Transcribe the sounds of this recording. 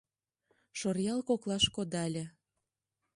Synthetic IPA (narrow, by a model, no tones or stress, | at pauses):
ʃorjɑlkoklɑʃkod̪ɑlʲə̆